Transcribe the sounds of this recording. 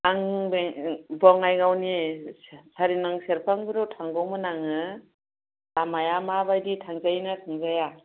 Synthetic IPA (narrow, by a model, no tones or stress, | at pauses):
aŋbebɔŋajɡawni | saɾinaŋseɾpʰaŋbiɾɔwtʰaŋɡɔwmɯnaŋɯ | amajamabajditʰaŋzajnatʰaŋzaja